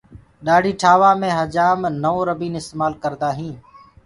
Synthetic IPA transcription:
ɗaːɖʱiːʈʰaːʋaːmẽːɦəd͡ʒaːmnəoːɾəbiːnɪst̪eːmaːlkəɾd̪aːɦĩː

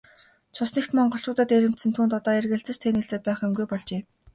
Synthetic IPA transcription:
t͡ɕʰʊsnĕkt̪mɔɴɢɞ̆ɬt͡ɕʊːt̪ə̆t̪eɾʲɘ̆m̥t̪sɘ̆nt̪ʰuːnt̪ɔt̪ɔːerɣɘ̆ɮt͡sɘ̆t͡ɕʰt̪ʰeniɮt͡sɘ̆ːt̪̚pæːχemɡujpɔɮt͡ɕeː

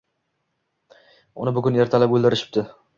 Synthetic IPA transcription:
ʊnɪbʊɡʲʊneɾt̪ʰalapɵlˠd̪ɪɾɪʃɪ̥p̚t̪ɪ

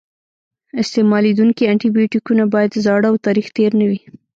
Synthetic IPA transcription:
ɪst̪emɑled̪uŋkiaɳʈibijoʈikunabɑjad̪zɑɽəawt̪ɑɾixt̪eɾnəwi

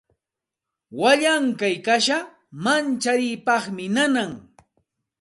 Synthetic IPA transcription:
waʎaŋkajkaʃa | mant͡ʃaɾɪjpɑχmɪnanaŋ

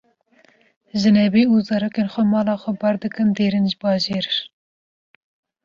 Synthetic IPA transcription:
ʒɨnɛbiːuzɑɾokenxʷɛmɑːlɑːxʷɛbɑɾd̪ɨkɨnd̪eːɾɨnʒɨbɑːʒeːɾ

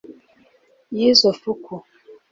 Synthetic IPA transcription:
jizofukʰu

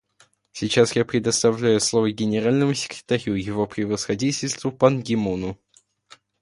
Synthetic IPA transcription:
sʲɪt͡ɕasjapɾʲɪd̪əst̪ɐvlʲæjʊslˠovəɡʲɪnʲɪɾalʲnəmʊsʲɪ̥kɾʲɪ̥t̪ɐɾʲujɪvo̞pɾʲɪvəsxɐdʲitʲɪlʲst̪vʊpɐnɡʲɪmonʊ

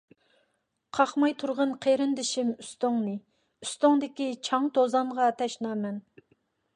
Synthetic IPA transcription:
qʰɑχmɑjt̪ʰuɾʁənqʰeɾɪnd̪ɪʃimyst̪oŋnɨ | yst̪oŋd̪ɪkʲit͡ʃʰɑŋt̪ʰozɑmʁɑt̪ʰɛʃnɑːmɛn

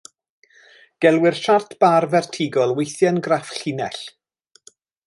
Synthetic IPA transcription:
ɡ̥ɛlˠwɪrʃartʰb̥arvɛrtʰɪɡɔlˠwejθjanɡrafɬɪnɛɬ

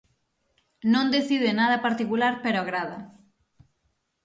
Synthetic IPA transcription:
nõnd̪eθiðenað̞apaɾt̪ikulaɾpeɾoaɣɾaða

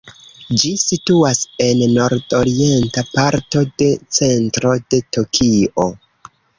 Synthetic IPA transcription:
d͡ʒisituase̞nːo̞ɾdo̞ɾie̞ntapaɾto̞de̞t͡se̞ntɾo̞d̥e̞to̞kʰiʔo

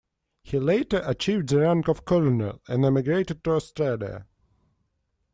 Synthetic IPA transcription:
hileɪtə˞ʔət͡ʃiːvd̪ðəɹãŋkɔv̥kʰɔlənə̰læ̃nɛmɪɡɹeɪtɨd̚tuəstɹadḭ

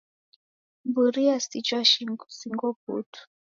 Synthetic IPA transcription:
mbuɾiasit͡ʃwaʃisiŋɡɔp̚ṵtu̥

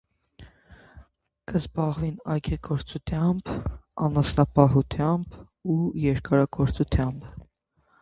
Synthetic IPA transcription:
kəzbɑʁvinɑjɡɛɡɔɾt͡sut̪ʰjɑmbɑnɑsnɑpɑɦut̪ʰjɑmb | ujɛɾkɑɾɑɡɔɾt͡sut̪ʰjɑmb

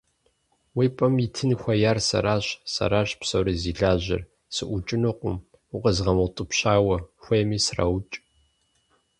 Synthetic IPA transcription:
wiːpʼɐmitʰɨnxʷɐjaːrsɐ̰ɾaːɕsɐ̰ɾaːɕʼpsɐwɾiziːɮaːʑɪ̰r | sɨʔʷʊt͡ʃʼɪnɨqʷʊ̰m | ʊqəzʁɐmɐwtʼɨpɕaːwɐxʷejmiːsra̰wt͡ʃʼ

